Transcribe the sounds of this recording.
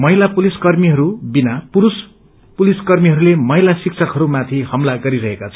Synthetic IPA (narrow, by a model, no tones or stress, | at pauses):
mʌɦilapuliskʌrmiɦʌɾubinapuɾus | puliskʌrmiɦʌɾulemʌɦilasik̚t͡sʰʌkɦʌɾumat̪ʰihʌmlaɡʌɾiɾʌɦekat͡sʰʌ